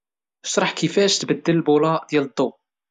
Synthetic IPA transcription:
əʃɾˤɑħkifæʃt̪bəd̪ːələlbulɑʔd̪jælət̪ˤːo

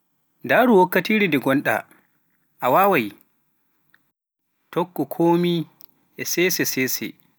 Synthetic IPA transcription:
daːɾuwɔkːatiːɾidɛɡɔnɗa̰ | ʔawaːwaj | tɔkːɔkʰoːmi | ʔɛsɛːsɛsɛsɛ̰

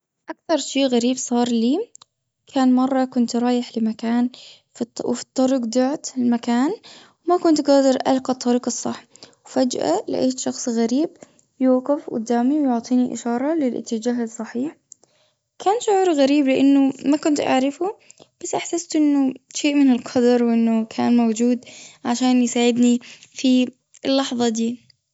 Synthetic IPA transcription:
ʔakθɑɾˤʃeːʔɣaɾiːbsˤɑːɾˤliː | kʰaːnmɑrˤːɑkʊnt̪ɾˤɑːjɪħlɪmakaːn | wfi̥t̪ˤːɑɾˤʊɡd̪aʕt̪ɪlmakaːn | wmakʊnt̪ɡaːd̪ɪɾʔa̰lqɑt̪ˤːɑɾiːqɑsˤːɑħːwfad͡ʒʔa̰lɪ̰ʔa̰ːʃɑxsˤɣaɾiːb | juːqɪfɡʊ̰d̪ːaːmiwjʊʕt̪ˤiːniʔɪ̰ʃɑːɾˤɑlɪlʔɪ̰t̪ːɪd͡ʒaːɦɪsˤːɑħiːħ | kʰaːnʃʊʕuːɾɣaɾiːblɪʔanːʊmakʊnt̪ʔa̰ʕɾɪfub̥asːʔaħsast̪ʔɪnːʊʃeːʔmɪnɪlqʰɑd̪ɑɾˤwʔɪnːʊkʰaːnmowd͡ʒuːd̪ʕaʃaːnjsaːʕɪd̪nifi | lːɑħðˤɑd̪iː

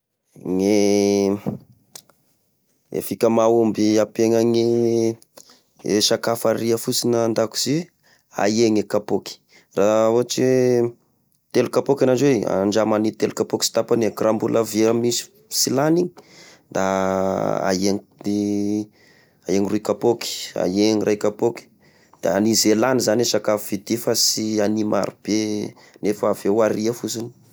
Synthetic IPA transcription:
ŋe | ḛfikʲəmaumbiapeŋaŋi | esakafaɾiəfut͡sinənd̪aku̥z̥i | a̰jeŋekapoki̥ | raoat͡ʃ | t̪elukapokʲanad͡ʒwea̰ɳɖ͡ʐamanit̪elukapoki̥si̥t̪apaneɡrambuləveamisi̥ | silaniɲi | d̪a | a̰jeŋi | aeŋruikapoki̥a̰jeɲirʔajkapoki̥ | d̪̥aanizelanizanesakafuvid̪ifasianima̰ɾub̥e | nefaːvewaɾiafusini̥

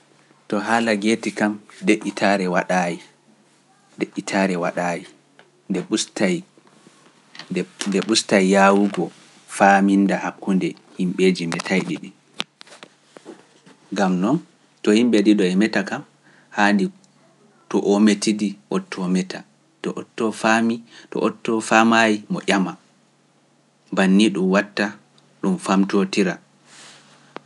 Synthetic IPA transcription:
tɔɦaːlaɡeːtikamdeʔːitʰaːɾɛwaɗaːji | deʔːitʰaːɾɛwaɗaji | ndɛɓusta | ndɛɓustajjawuɡɔ | faːmindahakːundɛ | himɓed͡ʒimɛtʰajɗiɗin | ŋɡamnɔn | tɔhimɓɛdiɗɔɛmɛtakam | handi | tɔʔometidiʔɔtʰːɔmɛta | tɔʔɔtːɔfamitɔ̰ʔɔtːɔfamajimɔʔʲama | banːiɗumwatːa | ɗumfamtotiɾa

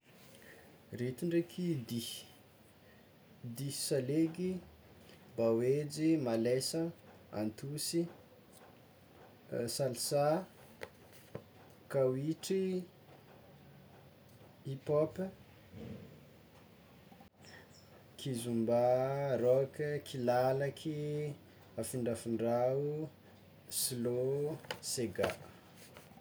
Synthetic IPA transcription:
ret̪iɳɖ͡ʐekʰid̪i | d̪isaleɡi | bawed͡ʒimalesə | a̰nt̪usi | salsa | kawiʈ͡ʂi | ipopə | kʰizumbaɾokəkʰilalakʰi | afiɳɖ͡ʐafiɳɖ͡ʐau | sloseɡa̰ʔ

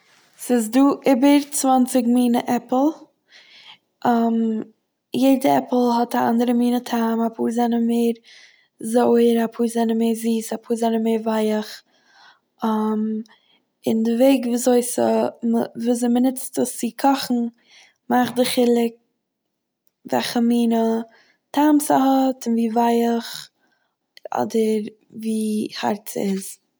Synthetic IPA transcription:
sɪzduːʔɪbəɾt͡svant͡sɪɡmiːnəʔɛpl̩ˠ | ʔam | jeɪdəɛpl̩ˠɦɔtaa̰ndəɾəmiːnətʰaːmapʰuːzɛnəmeɪɾ | zoɪəɾapʰuːzɛnəmeːɾziːsapʰuːzɛnəmeɪɾvaɪəχ | am | ɪndɪveɪɡvuːzoɪs | vuːzoɪmənɪt͡stəst͡sɪkʰɔχn̩ | maχdɪχɪlˠɪk̚ | vɛ̰lχəmiːnə | tʰaːmsahɔtɪnviːvaɪəχ | ɔ̰dəɾ | viːha̰ɾtt͡sɪz

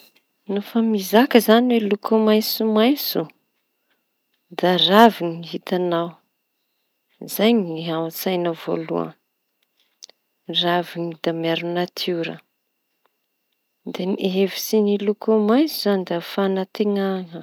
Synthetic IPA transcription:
nufamizakəzaniwelukumajsumajsu | d̪araviŋiɦit̪anaw | zajŋiawt͡sajnəvo̰lṵə̰ | raviŋid̪̥amaɾunat̪ʰuɾə̰ | d̪enʔɦevisinilukumajsuzanid̪afanat̪eŋaŋə

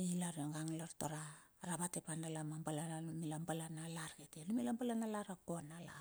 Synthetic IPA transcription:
ilaɾaŋɡaŋlaɾtoɾaɾaβatepandalamambalanalumilambalanalaɾɡetelumilambalanalaɾakonala

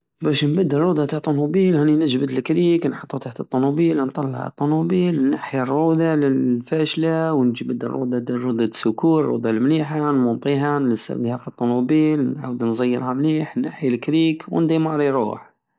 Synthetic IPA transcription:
bæʃnbəd̪ːərˤːud̪ɑt̪aht̪ˤːonubiːlhæninəʒbəd̪lkɾiːknħɑt̪ˤːut̪aħt̪ət̪ˤːonubiːlnt̪ˤɑlːɑ̰ʕə̰t̪ˤːonubiːlnːaħjarːud̪alɪlfæʃlawnʒbəd̪ə̰rˤːṵd̪ɑd̪ərˤːud̪ɑ̥sʊkuɾɾṵd̪almliħanmʊnt̪ˤiɦanəsæ̰bd̪ihæfit̪ˤːonubilnʕa̰wd̪nzˤɑjːəɾhamliːħnːaħjalkɾiːkwə̰nd̪imɑɾˤiɾṵːħ

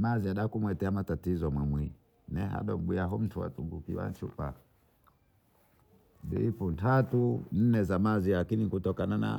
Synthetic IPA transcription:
maziaɗakumwɛtɛamatatizɔmwimwi | nɛha̰ɗɔmɓiaɦɔm̩tʰuwa̰tuɡukiwa̰t͡ʃupa̰ | dḭipuntatun̩nɛzamazilakinikutɔkanana̰

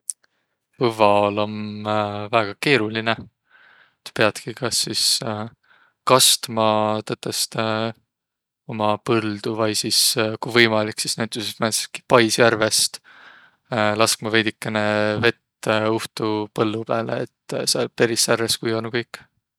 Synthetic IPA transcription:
pɤvɑolo̞n | væeɡ̥ɑke̞ːɾuline̞ | et̪ːpe̞ɑd̪̥kikɑsːis | kɑst̪mɑt̪ɤt̪ːˑest̪ | o̞mɑpɤld̪̥uvɑjsiskujvɤjmɑliksisnæjt̪ːˑusesmænse̥ki̥pɑjsjærve̞st̪ | lɑskmɑve̞jd̪ikːene̞ve̞t̪ːuht̪upɤlːupæːlḛːt̪ːseɑlpe̞ɾisːærveskujonukɤjkːˑ

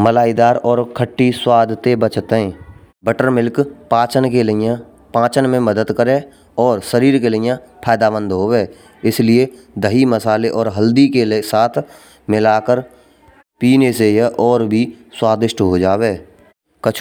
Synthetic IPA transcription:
məlaːid̪aːɾɔːɾkʰəʈːiswaːd̪ʱt̪ebət͡ʃt̪ɦɛ̃ː | bəʈəɾmɪlkpãːt͡ʃənkeləjã | pãːt͡ʃənmẽməd̪əd̪kəɾe | ɔːɾsəɾiːɾkelɪjãpʰaːd̪aːbə̃nd̪ɦoweː | ɪslie | d̪əɦiməsaːleʔɔːɾɦəld̪ikesaːt̪ʰ | mɪlaːkəɾ | piːnesejʔɔːɾbʱiswaːd̪ɪʃʈɦod͡ʒaːweː | kət͡ʃʰ

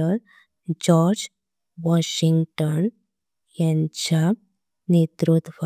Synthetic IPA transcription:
əɾ | d͡ʑɔɾd͡ʑ | ʋɔɕiŋɡʈɔn | jãɲt͡ɕa | net̪ɾut̪ʋ

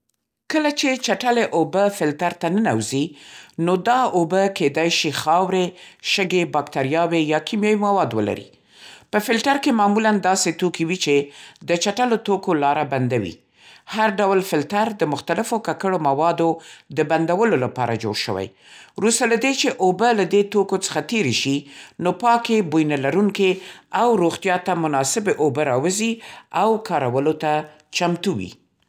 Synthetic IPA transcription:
kəlat͡ʃet͡ʃaʈaleʔobəfɪlt̪aɾt̪anənawzinod̪ɑobəked̪ajʃixɑwɾeʃəɡebɑkt̪aɾjɑwejɑkimjɑjimawɑd̪wəla̰ɾḭ | pəfɪlʈaɾkemɑmuland̪ɑset̪okiwit͡ʃed̪ət͡ʃaʈalot̪okolɑɾaband̪awḭ | haɾɖawlfɪlt̪aɾd̪əmʊxt̪alɪfokakəɽomawɑd̪od̪əband̪awəlolapɑ̰ɾa̰d͡ʒo̰ɽʃə̰wa̰j | ɾust̪alad̪et͡ʃeʔobəlad̪et̪okot͡sə̥xat̪eɾeʃinopɑkebujnalaɾuŋkeawɾoɣt̪jɑt̪amʊnɑsɪbeʔobəɾɑwəziawkɑɾawəlot̪a | t͡ʃamt̪uwḭ

